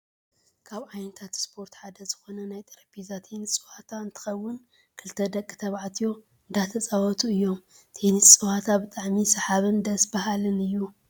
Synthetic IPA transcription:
kʰaβajnɐt̪ʰat̪spʰo̞ɾt̪ħad̪ɐzɨxo̞nɐnajt̪ʼɨɾɐbizat̪ʰenit͡sʼɨhat̪ʰaɨnt̪ʰɨ̥xɐwːʊn | kʰɨlt̪ʰɐd̪ɐkʼːɨ̥t̪ʰɐβaʕt̪ʰijo̞ | ɨnd̪at̪ʰɐt͡sʼawɐt̪ʰuɨjːo̞m | t̪ʰenɨt͡sʼɨwat̪ʰabɨt̪ʼaʕmisɐħaβɨnd̪ɐsbaɦalɨnɨjːu

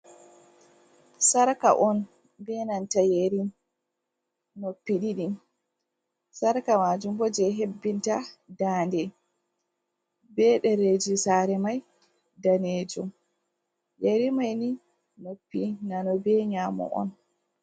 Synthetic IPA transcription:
saɾka̰ʔɔn | bɛnantajeɾin | nopːiɗiɗin | saɾkamad͡ʒumbɔd͡ʒɛɦebːintadaːndɛ | bɛɗɛɾed͡ʒisaɾɛmaj | daned͡ʒɔm | jeɾimajni | nopːinanɔbɛɲamɔ̰ʔɔ̰n

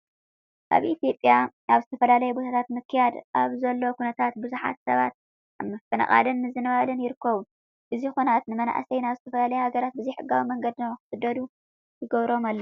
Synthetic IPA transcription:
kʰa̰βʔit̪ijo̞pʼja | aβzɨt̪ʰɐfɐlalɐjubo̞t̪ʰat̪ʰat̪mɨkʰːɨjad̪aβzɐlːo̞kʰunɐt̪ʰat̪bɨzuħa̰t̪sɐβat̪̚ | mɐfɐna̰kʼa̰lɨnmɨzɨnɐβalɨnjɪɾɨkːɐβu | ʔɨzixonat̪nɨmɐna̰ʔsɐjnaβzɨt̪ʰɐfɐlalɐjuhaɡɐɾat̪̚bɨzijħɨɡːawimɐŋɡɐd̪nɐwxɨ̥fɨd̪ːɐd̪u | t̪ʰɨɡɐβɾo̞malːo

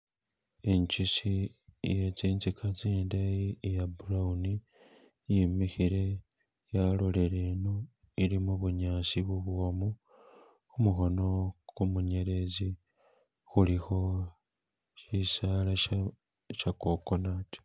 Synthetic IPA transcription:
eɲcisijet͡siːnzikʰaziːndajiejabuɾauni | jimixiɾe̞ | jalole̞ɾeːno | iɾimuβuɲaːsiβuβomu | umuxo̞no̞kumuɲe̞ɾe̞zi | xulixo̞ | isaːla | ʃakokonati̥

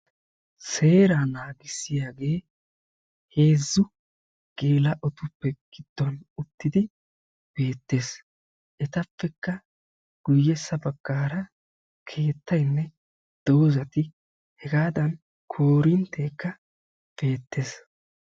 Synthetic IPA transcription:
se̞ːɾaːnaːɡɪsːɪjaːɡe̞ː | he̞ːzːʊ | ɡ̥e̞ːlɐʔɔt̪ʊpːɛɡ̥ɪd̪̥ːɔnʊt̪ːɪd̪ɪ | b̥e̞ːt̪ːe̞ːs | ʔɛt̪ɐpːɛkːɐ | ɡ̥ʊjːɛsːɐbɐɡ̥ːaːɾɐ | kʰe̞ːt̪ːɐjnːɛ | d̪̥oːzɐt̪ɪ | hɛɡaːd̪ɐn | kʰoːɾɪnt̪ʰːeːkːɐ | b̥e̞ːt̪ʰːe̞ːs

